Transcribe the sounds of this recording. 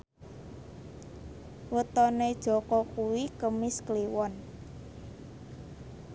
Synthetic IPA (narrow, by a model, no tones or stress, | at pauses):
wət̪ɔned̥ʒ̥ɔ̤kɔkuwikəmɪskliwɔn